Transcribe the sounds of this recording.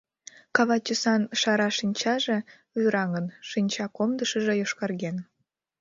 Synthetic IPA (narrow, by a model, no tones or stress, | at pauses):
kɑβɑt͡ɕəsɑnʃɑɾɑʃinʲt͡ɕɑʒe̽ | vyɾɑŋənʃinʲt͡ɕɑkomd̪əʃə̆ʒĕjoʃkɑrɣen